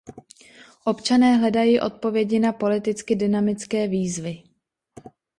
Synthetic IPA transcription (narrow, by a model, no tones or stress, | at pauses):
ʔo̞pt͡ʃanɛːɦlɛdajiːʔo̞̰t̪̚po̞vjɛɟɪnapo̞lɪt̪ɪt͡skɪdɪnamɪt͡skɛːviːzvɪ